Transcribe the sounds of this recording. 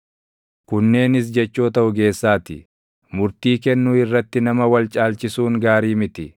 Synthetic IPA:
kʊnːe̞ːnɪs̬d͡ʒɛt͡ʃːoːt̪ɐʔʊɡe̞ːsːaːt̪ɪ̰ | mʊɾt̪iːkɛnːuːɪrːɐt̪ːɪnɐmɐwɐlt͡ʃʼaːlt͡ʃɪsuːŋɡaːɾiːmɪt̪ɪ

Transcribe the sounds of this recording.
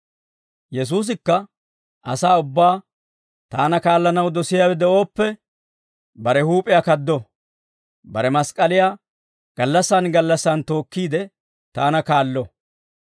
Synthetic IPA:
jɛs̬uːs̬ɪkːɐ | ʔɐ̰saːʊbːaː | t̪aːnɐkaːlːɐnɐwd̪ɔsɪjaːwɛd̪ɛʔo̞ːpːɛ | bɐɾɛhuːpʼɪjakɐd̪ːɔ | bɐɾɛmɐskʼːɐlɪjaː | ɡ̥ɐlːɐsːaːnɡɐlːɐsːant̪o̞ːkːiːd̪ɛ | t̪aːnɐkaːlːɔ

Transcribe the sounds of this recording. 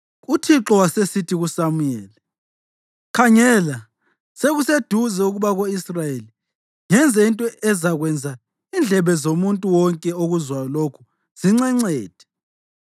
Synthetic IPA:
utʰiǁɔwasesitʰiɣusamujɛːli | kʰaŋɛla | seɣused̥ʱuzɛuɣuβaɣoisrajeli | ŋɛnd͡zʱɛintʼɔɛzaɣwɛnd͡zʱa | ind͡ɮʱɛβɛzomuntʼuwɔŋkʼɛoɣuzwalokʰu̥ | z̥iŋ͡ǀɛŋ͡ǀɛːd̥ʱɛ̥

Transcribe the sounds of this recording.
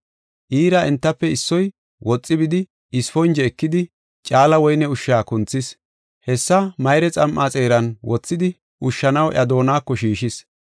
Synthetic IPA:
ʔiːɾɐɛnt̪ːɐpːɛɪsːɔj | wʔɔt͡sʼːɪbɪd̪ɪ | ɪsfɔnd͡ʒɛːkːɪd̪ɪ | t͡ʃʼaːlɐwɔjnɛʊʃːaːkʊnt͡sːɪs | hɛsːɐmɐjɾɛt͡sʼɐmʔat͡sʼe̞ːɾɐnwɔt͡sːɪd̪ɪ | ʊʃːɐnɐwʔɐd̪o̞ːnaːkːɔʃiːʃɪs

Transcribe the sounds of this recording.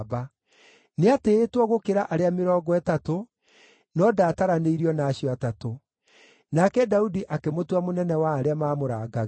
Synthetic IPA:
ba | neateːtwɔɣokeɾaʔaɾeameɾɔːɡɔɛtato | nɔdaːtaɾaneiɾiɔnaːɕiɔatato | nakɛdaudiʔakemotwamonɛnɛwaːɾeamaːmoɾaːɡaɣ

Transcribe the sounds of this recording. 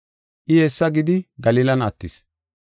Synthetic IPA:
ʔɪjeːsːɐɡɪd̪ɪɡɐliːlɐnɐt̪ːɪs

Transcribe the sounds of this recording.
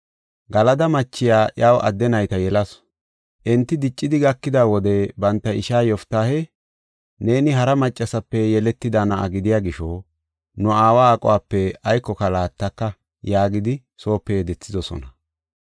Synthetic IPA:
ɡɐlɐd̪ɐmɐt͡ʃːɪjaːʔaːwʔɐ̰d̪ːɛnɐjt̪ɐjɛlɐs | ʔɛnt̪ːɪd̪ɪt͡ʃʼːɪd̪ɪɡɐkːɪd̪aːwɔd̪ɛbɐnt̪ːɐɪʃaːjɔft̪ːaːhɛ | ne̞ːnɪɦɐɾɐmɐt͡ʃʼːɐsɐpːɛjɛlɛt̪ːɪd̪anɐʔɐ̰ɡɪd̪ɪjaːɡɪʃoː | nʊaːwaːkʼɔ̰waːpːɛɐjkːɔkɐlaːt̪ːɐkːɐ | jaːɡɪd̪ɪ | so̞ːpːɛjɛd̪ɛt͡sːɪdɔsɔ̰nɐ

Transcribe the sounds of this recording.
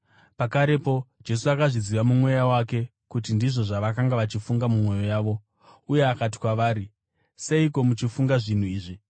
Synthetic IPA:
pakaɾe̞po̞d͡ʒe̞suakaʐiziʋamumwe̞jawake̞ | kut̬indiʐo̞ʐaʋakaŋɡaʋat͡ʃifuŋɡamumwe̞jo̞jaːʋo̞ | uje̞akat̬i̥kwaʋaːɾi | se̞iko̞mut͡ʃifuŋɡaʐin̤uiːʐi

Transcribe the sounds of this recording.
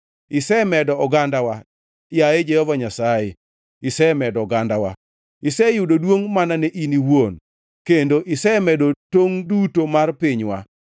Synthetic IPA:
ɪsɛmɛdɔɔɡandawa | jaed͡ʒeɔvaɲasaje | ɪsɛmɛdɔɡandawa̰ | ɪsɛjʊdodwoŋmananɛʔiniwon | kendoʔɪsɛmɛdotoŋdutomarpɪɲwa̰

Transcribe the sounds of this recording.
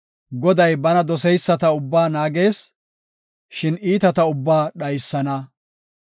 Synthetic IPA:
ɡɔd̪ɐjbɐnɐd̪ɔsɛjsːɐt̪ɐʊbːaːnaːɡe̞ːs | ʃɪniːt̪ɐt̪ɐʊbːaːɗɐjsːɐnɐ

